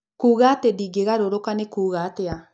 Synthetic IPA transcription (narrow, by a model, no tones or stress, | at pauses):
kuːɣatediɡeɣaɾoɾokanekuːɣatea